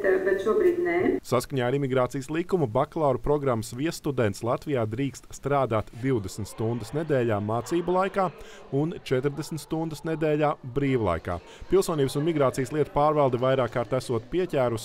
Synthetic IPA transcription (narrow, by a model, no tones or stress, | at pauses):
t̪ɛwsbɛt̪ʃuɔbɾiːd̪nɛsaskaɲʲaːɾimiɡɾaːt̪sijəslˠikumubaklˠaːɾupɾɔɡɾamːəsʋiɛsːt̪ud̪ɛnt̪slˠat̪vijaːd̪ɾiːkst̪st̪ɾaːd̪aːt̪d̪iwd̪esn̩t̪st̪und̪əsned̪ɛːlʲaːmaːt̪siːbulˠajkaː | unt͡ʃɛt̪ɾd̪esn̩t̪st̪und̪əsned̪eːʎʲaːbɾiːʋulˠa̰jka̰ː | pilˠsuɔniːbəsunmiɡɾaːt̪ijəslˠiɛt̪u̥paːɾvɛlˠd̪ɛvajɾaːkːaːɾt̪æsuɔt̪piɛcʲæːɾus